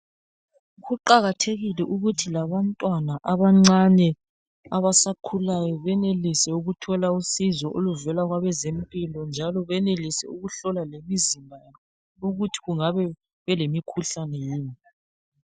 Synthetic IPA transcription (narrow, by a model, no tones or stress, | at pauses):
ɣuǃaɣatʰeɣilɛʔuɣutʰilaβantʼwanaʔaβaŋ͡ǀanɛ | aβasakʰulajɔβɛnelisɛuɣutʰɔlausizɔʔoluvɛlaɣwaβɛzempʼilɔnd͡ʒʱalɔβɛnelisɛ̰uɣuɬɔlalemizimbʱa | oɣutʰi̥ɣuŋaβɛ | βɛlemikʰuɬanɛjiːni